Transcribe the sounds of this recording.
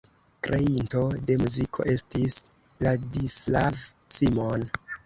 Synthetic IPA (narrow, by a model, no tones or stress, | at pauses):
kɾe̞into̞de̞muzikʰo̞̰ʔe̞stis | ladislav | simon